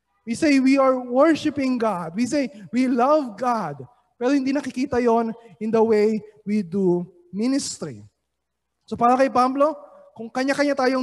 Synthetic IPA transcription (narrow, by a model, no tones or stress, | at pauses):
wisejwiɐɹwɛɹʃɪpɪ̃ŋɡad̪̚wisejwilɐvɡad̪̚ | pɛːɾohɪ̃nd̪iːnɐkɪkiːt̪ɐjo̞nɪnd̪ɐwejwid̪u | mɪnɪst̪ɾḭ | sopaːɾɐkɐjpablo̞ | kʊŋkɐɲakɐɲat̪aːjo